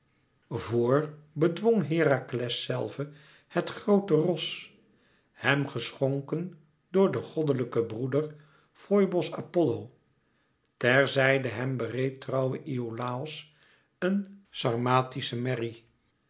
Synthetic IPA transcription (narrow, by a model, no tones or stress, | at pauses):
voːɹbədʋɔŋɦɪːraklɛsːɛ̰lˠvə | hɛtχrowtərɔs | hɛmχəsχɔŋkən | dʊːɹdəχɔdələkəbrudəɹ | fɔjbɔsa̰pɔlow | tɛɹzɛjdəɦɛmbərejtrʌwəʔiolaːɔs | ənsɑrmaːtisəmɛri